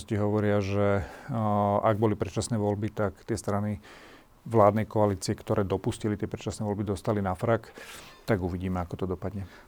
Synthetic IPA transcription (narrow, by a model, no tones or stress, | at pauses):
sciɦɔʋɔɾɪaʒɛ | ʔaɡ̚bɔlipɾɛt͡ʃasnɛːʋɔlbit̪akt̪ɪɛst̪ɾani | ʋlaːd̪nɛjkɔaliːt͡siɛkt̪ɔɾɛːd̪ɔpuscilit̪ɪɛpɾɛt͡ʃasnɛʋɔlbid̪ɔst̪alinafɾakt̪aɡuʋiɟiːmɛakɔt̪ɔd̪ɔpad̪ɲɛ